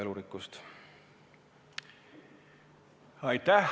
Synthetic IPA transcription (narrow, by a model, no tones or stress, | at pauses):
eluɾikːust̪ | ɑjt̪ːæh